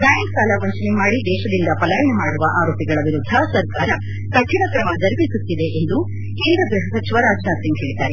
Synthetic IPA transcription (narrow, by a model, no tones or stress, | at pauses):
d̪aːjɐmsaːlɐʋɐɲt͡ʃɐnimaːɽid̪ɛːʃɐd̪ind̪ɐpɐlaːjɐɳɐmaːɽuʋɐʔaːɾoːpiɡɐɭɐʋiɾud̪ʱːɐsɐɾkaːɾɐ | k̪ɐʈʂiɳɐkɾɐmɐd͡ʒɐɾibisut̪ːid̪e̞ʔend̪u | keːnd̪ɾɐɡɾuɦɐsɐt͡ʃiʋɐɾaːd͡ʒnaːt̪siŋɡɦɛːɽit̪aːɾe